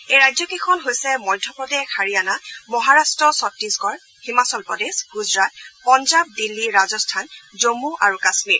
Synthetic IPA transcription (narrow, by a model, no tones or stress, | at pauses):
ejɹajzɔkekʰɔnɦojsɛmɔjdʱɔpɹɔdexaɹijanamɔɦaɹastɹɔsɔtːisɡɔɹ | himasɔlpɹɔdesɡuzɹat̚pɔnzab̚dilːiɹazɔstʰanzomuʔaɹukasmiɹ